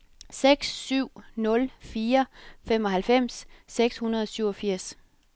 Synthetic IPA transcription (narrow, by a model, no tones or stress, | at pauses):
seɡ̥sːyʊ̰nɔ̽lfiːɐfem̰ɒ̽ɦælfem̰sːeɡ̥shunɐðˠɒ̽syʊɒ̽fiɐ̰s